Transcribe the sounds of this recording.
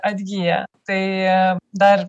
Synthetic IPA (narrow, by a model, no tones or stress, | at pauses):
ɐd̪ɡija̰t̪e | d̪aɾ